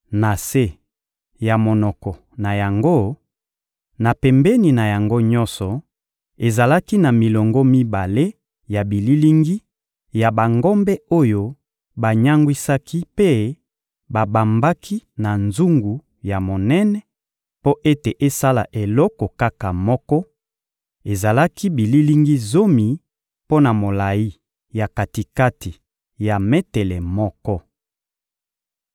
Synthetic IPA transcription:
na˨se˦ | ja˨mo˨nɔ˨kɔ˨ | na˨ja˨ŋɡo˦ | na˨pɛ˨mbɛ˦ni˨na˨ja˨ŋɡo˦ɲɔ̃˦sɔ˨ | e˨za˨la˦ki˦na˨mi˨lɔ˨ŋɡɔ˦mi˦ba˨le˦ | ja˨bi˨li˦li˦ŋɡi˦ | ja˨ba˨ŋɡɔ˦mbɛ˦o˦jo˦ | ba˨ɲa˦ŋɡwi˦sa˦kʰi˦pe˦ | ba˨ba˨mba˦kʰi˦na˨nzu˦ŋɡu˨ | ja˨mo˨nɛ˦nɛ˨ | po˦ʔe˦te˨ʔe˦sa˦la̰˨ʔe˨lɔ˦kɔ˨ka˦ka˨mɔ˦kɔ˦ | e˨za˨la˦ki˦bi˨li˦li˦ŋɡi˦zo˦mi˨ | po˦na˨mo˨la˨ji˦ | ja˨ka˨ti˨ka˦ti˨ | ja˨me˦tɛ˨lɛ˨mɔ˦kɔ˦

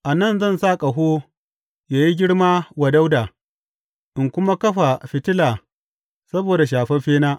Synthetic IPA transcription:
ʔa˨nɐ˦˨nzɐ˦˨nsaː˦kʼa˨ɦoː˦ | jaː˨ji˦ɡʲɪ˦ɽmaː˦wa˨da˦wdaː˨ | ʔɪ˨ŋkʷʊ˦ma˦kɐ˦ɸa˨ɸɪ˨tɪ˦laː˨ | sɐ˦boː˨da˨ʃ̬aː˨ɸɛ˦ɸeː˦naː˦ʔ

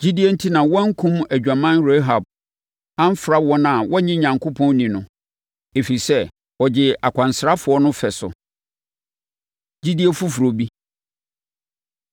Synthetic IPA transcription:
d͡ʑi˦di˦e˦n̩˦tʰi˦nã˨wɔ̃˦ŋ̩˦kʰũ˦mæ˨d͡ʑᶣa˨mã˦nɾe˦ɦa˨b̚ | ã˦m̩˦fɾa˦wɔ̃˦nã˨wɔ˦ɲɪ̃˦ɲã˨ŋkʰo˦pʰɔ̃˦n˦nĩ˨nʊ̃˨ | e˨fi˨i˨sɛ˦ | ɔ˨d͡ʑɪ˨a˨kʷʰã˨nsɾa˦fʊ˨ɔ˦nʊ̃˦fɛ˨sʊ̰˨ | d͡ʑi˦di˦e˦fu˦fu˨ɾo˨bi˦

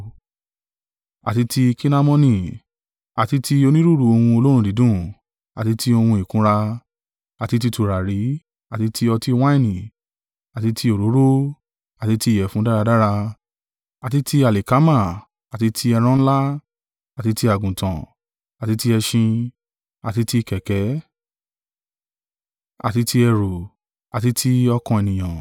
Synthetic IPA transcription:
a̰˨ti˧ti˧ki˦na˦mɔ̃˦nĩ˧˨ | a˨ti˧˦ti˧o˧nĩ˦ɾu˦˨ɾu˧˦o˧hũ˧o˧lo˦ɾ̃ũ˧di˨˦dũ˦˨ | a˨ti˧tʰi˧o˧hũ˧i˨kũ˦ɾa˧ | a˨ti˧t̬i˧tu˧˨ɾa˨ɾi˨˦ | a˨ti˧tʰi˧˦ɔ˧ti˧˦w̃ã˦ĩ˦˨nĩ˨ | a˨ti˧tʰi˧o˨ɾo˨˦ɾo˦ | a˨ti˧ti˧˦˨jɛ˨fũ˦da˦ɾa˧da˦ɾa˧ | a˨ti˦ti˧a˨le˨ka˨˦mã˦˨ | a˨ti˨˧tʰi˧ɛ˧ɾ̃ɔ̃˧n̩˦la˦ | a˨ti˧˦ti˧a˨ɡũ˨tã˨ | a˨ti˧˦ti˧˦ɛ˧ʃĩ˧ | a˨ti˧ti˧˦˧kɛ˨kɛ˨˦ | a̰˨ti˧tʰi˧ɛ˧ɾo˨ | a˨ti˧tʰi˦ɔ˧kɔ̃˧ɛ˨nĩ˨j̃ã˨

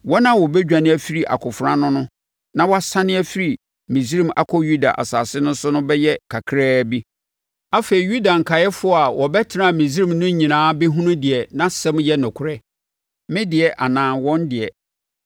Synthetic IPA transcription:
wɔ˦nã˦wɔ˨bɛ˦d͡ʑᶣa˨nɪ̃˦ɛ˦fi˦ɾi˨ʔa̰˨kʰʊ˨fʊ˨ɾã˦nʊ̃˦nʊ̃˦ | nã˦wɔ˦a˦sã˦nɪ̃˦æ˦fi˦ɾi˨ | mĩ˨s̬i˦ɾĩ˦mʔa̰˦kʰɔ˦ju˦da̰˨ʔa̰˨saː˨sɪ˦nʊ̃˦n˦sʊ˦nʊ̃˦bɛ˦jɛ˦kʰa˨kʰɾɛː˦bi˦ | a˦fe˨ɾi˨ju˦da˨ŋ̩˨kʰa˨jɛ˦fʊ˦ɔ˦˨a˨wɔ˨bɛ˦tʰɪ˨nã˦˨mĩ˨s̬ɾĩ˨mnʊ̃˦ɲĩ˨nãː˨˦be˦ɦũ˦nʊ̃˦dɪ˨ɛ˨nã˦sɛ̃˦mjɛ˦nʊ̃˨kʰʊ˨ɾɛ˦ | mɪ̃˦dɪ˨ɛ˨ʔa˨nãː˨nwɔ̃˦ndɪ˨ɛ˨

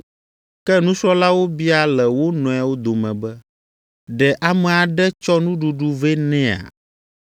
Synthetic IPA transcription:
kɛ˦nũ˦ʃɔ˦la˦wo˦bi˦a˨lɛ˨wo˦nɔ̃˨a˨wo˦d̪o˨mɛ̃˨bɛ˦ | ɖɛ˨ʔa˨mɛ̃˨a˨ɖɛ˦t͡ʃɔ˦nũ˦ɖu˨ɖu˨ve˦nɛ̃˦a̰˨

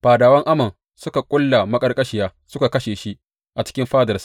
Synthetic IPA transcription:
ɸaː˨daː˨wɐ˦ŋʔa˦mɐ˨n | sʊ˦ka˨kʷʼʊ˦lːa˨mɐ˦kʼɐ˦rkʼɐ˦ʃɪ˨jaː˦sʊ˦ka˨kɐ˦ʃeː˨ʃi˦ʔ | ʔa˨t͡ʃɪ̥˦kʲɪ˦mɸaː˦dɐ˨rsḁ˦ʔ

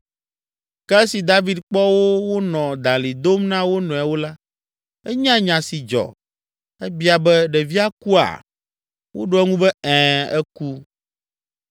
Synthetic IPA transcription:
kɛ˦si˨d̪a˦vi˦d̪k͡pɔ˦wo˦wo˦nɔ̃˨d̪ã˨li˨d̪o˦mnã˦wo˦nɔ̃˨ɛ˨wo˦la˦ | ɛ˦ɲã˦ɲã˨si˨d͡ʒɔ̰˨ | ɛ˦bi˦a˨bɛ˦ɖɛ˨vi˦a˦ku˦a̰˨ | wʔo˦ɖo˦ɛ˦ŋũ˦bɛ˦ɛ̃˨ɛ˦ku˦

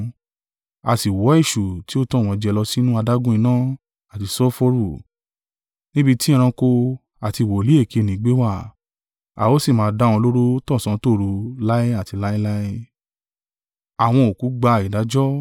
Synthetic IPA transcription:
a˧˨si˨wɔ˨˦i˦˨ʃu˨ti˦o˦tɔ̃˦˨w̃ɔ̃˨˧d͡ʒɛ˧lɔ˧si˦nũ˦a˧da˦ɡũ˦ĩ˧nãː˦ | a˨ti˧sɔ˦fo˧˦ɾu˦˨ | nĩ˦bi˧ti˦ĩ˦˧ɾ̃ã˧ko˧ | a˨ti˧˨wo˨li˦e˦˨ke˨˧˨nĩ˨˦ɡ͡be˦wa˦˨ | a̰˨o˦si˦˨mãː˨˦˧dã˦ɔ̃˧lo˦ɾo˦tɔ̃˦˨sã˨˦to˦˨ɾu˧la˦i˦a˦˨ti˧la˦ji˦la˦i˦ | a˨w̃ɔ̃˧o˨ku˨˦ɡ͡ba˧˨i˨da˨˦d͡ʒɔ˦

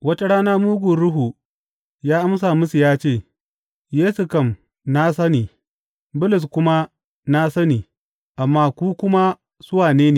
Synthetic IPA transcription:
wɐ˦ta˦ɽaː˦na˦muː˦ɡʷu˨ɾʊ˦ɦu˨ | jaː˦ʔa˦ms̬aː˨mʊ˦su˨jaː˦t͡ʃeː˦˨ | jeː˦su˨kɐ˦˨m | na˦sɐ˦niː˨ | bʊ˦lʊ˨s̬kʷʊ˦ma˦ | na˦sɐ˦niː˨ | ʔa˨mːaː˦˨kʷuː˦kʷʊ˦ma˦ | sʊ˦waː˨neː˦neː˨

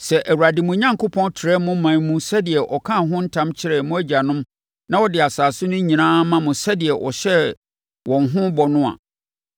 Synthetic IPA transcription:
sɛ˨ʔæ˨wu˨ɾa˨dɪ˨mʊ̃˨ɲã˦ŋkʰʊ˦pʰɔ̃˦ntʰɪ˨ɾɛ˦mʊ̃˦mã˨nmũ˦sɛ˦dɪ˨ɛ˨ʔɔ˨kʰã˦˨ɦʊ̃˦n̩˦tʰã˦mt͡ɕʰɪ˦ɾɛ˨mʊ̃˦æ˦d͡ʑa˨nʊ̃˦m | nã˦wɔ˦˨dɪ˨a˨saː˨sʊ˦nʊ̃˦ɲĩ˨nãː˦mã˦mʊ̃˨sɛ˦dɪ˨ɛ˨ʔɔ̰˨ɕɛ˦ | wɔ̃˨nɦʊ̃˦bɔ˨nʊ̃˦a̰˨

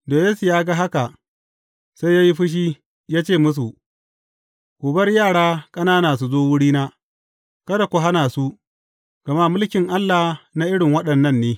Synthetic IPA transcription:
doː˨jeː˦su˨jaː˦ɡa˦ɦa˦ka˨ | sa˦jjaː˦ji˦ɸɪ˦ʃ̬iː˦ | jaː˦t͡ʃeː˦˨mʊ˦s̬u˨ | kʷoː˨bɐ˦rjaː˦˨ɽaː˦kʼɐ˦naː˦naː˨s̬u˨zoː˦wʊ˦ɽiː˦naː˦ | kɐ˦da˨kʷu˨ɦa˦naː˨su˦ | ɡ̥ɐ˨ma˦mʊ˦lkʲɪ˨ŋʔa˦lːa˨na˦ʔɪ˦ɽɪ˨ŋwɐ˦ɗɐ˨nːɐ˦˨nːeː˦

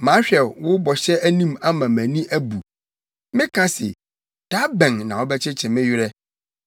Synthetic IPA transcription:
mã˨˦ɕᶣɛ˨lwʊ˦bɔ˨ɕɛ˦æ˦nĩ˦ma˦mã˨mæ̃˨nĩ˦ʔæ˦bu˨ | mɪ̃˦kʰã˦sɪ̰˨ | d̥a˦bɛ̃˨ŋnã˨wʊ˦bɛ˦t͡ɕʰɛ˦t͡ɕʰɛ˨mɪ̃˦ɥɪ˦ɾɛ˦

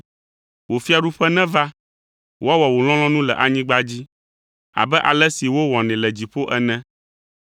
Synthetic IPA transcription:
wo˨fi˦a˨ɖu˦ɸɛ˦nɛ̃˦va˦ | wo˦a˦wɔ˨wo˨l̃ɔ̃˦lɔ̃˦nũ˦lɛ̰˨ʔa˨ɲĩ˦ɡ͡ba˦d͡ʑi˦ | a̰˨bɛ˦ʔa̰˨lɛ˦si˨wo˦wɔ̃˨nɛ̃˨lɛ˨d͡ʑi˨ɸo˦ʔɛ˦nɛ̃˦

